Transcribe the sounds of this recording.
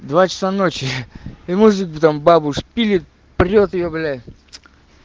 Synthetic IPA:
d̪vat͡ɕɪ̥sanot͡ɕɪɪmuzɨbɨt̪ambabʊʂpʲilʲɪt̪̚ | prʲot̪ɪjoblʲa

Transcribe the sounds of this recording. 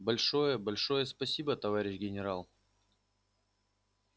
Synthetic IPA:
bɐlʲʂo̞jəbɐlʲʂo̞jəspɐsʲibət̪ɐvaɾʲɪɕɡʲɪnʲɪɾalˠ

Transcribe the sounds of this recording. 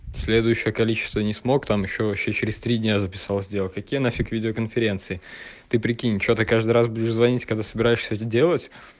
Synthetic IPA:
sʲlʲe̞d̪ʊjʉɕːɪjəkɐlʲit͡ɕɪ̥st̪vənʲɪsmo̞kt̪amjɪɕːovɐɕːet͡ɕɪɾʲɪst̪ɾʲidʲnʲazəpʲɪ̥salˠzʲdʲe̞lˠkɐkʲijənafʲikvʲidʲɪokənfʲɪɾʲe̞nt̪sɨɪt̪ɨpɾʲɪkʲinʲɪt̪ʲt͡ɕot̪ɨkaʐd̪ɨjɾasbudʲɪʂzvɐnʲitʲkɐɡd̪asəbʲɪɾajɪʂsʲəɛt̪ədʲe̞lˠətʲ

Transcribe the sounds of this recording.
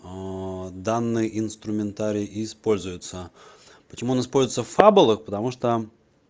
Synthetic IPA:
d̪anːɨjəʔɪnst̪ɾʊmʲɪnt̪aɾʲɪʔɪːspo̞lʲzʊjʊt̪sə | pət͡ɕɪmuɐnaɪspolʲzʊjɪt̪səffabʊlˠəxpət̪ɐmuʂt̪o

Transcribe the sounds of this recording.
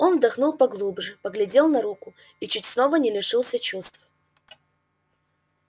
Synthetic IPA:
o̞nvd̪ɐxnulˠpɐɡlˠubʐɨpəɡlʲɪdʲe̞lˠnɐɾukʊ | it͡ɕut̚ʲsno̞vənʲɪlʲɪʂɨlˠsʲət͡ɕust̪f

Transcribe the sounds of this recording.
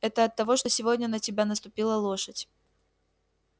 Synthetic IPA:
ɛt̪əɐt̪ːɐvo̞ʂt̪osʲɪvodʲnʲənətʲɪbʲanəst̪ʊpʲilˠəlˠo̞ʂətʲ

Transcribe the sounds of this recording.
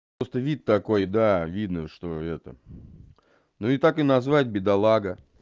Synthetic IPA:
ost̪əvʲit̪ːɐko̞jd̪avʲid̪nəʂt̪oɛt̪ə̰ | nuɪt̪akɨnɐzvat̚ʲbʲɪd̪ɐlˠaɡə

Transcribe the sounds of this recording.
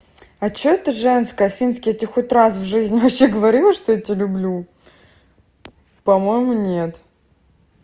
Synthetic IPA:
ɐt͡ɕoɛt̪əʐɛnskəɐfʲinskʲɪjət̪ʲɪxot̪ʲras̬vʐɨzʲnʲɪvɐpɕːeɡəvɐɾʲilˠəʂt̪ojatʲelʲʊblʲu | pɐmo̞jmʊnʲet̪

